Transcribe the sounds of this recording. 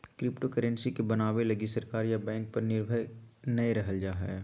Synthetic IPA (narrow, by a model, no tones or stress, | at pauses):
kɾɪpʈokəɾə̃nsikebɐnaːʋelɐɡisɐɾkaːɾjabɛ̃ːŋk̚pɐɾnɪɾbʱəjnɐeɾɐɦəld͡ʒaːɦɛ̰ː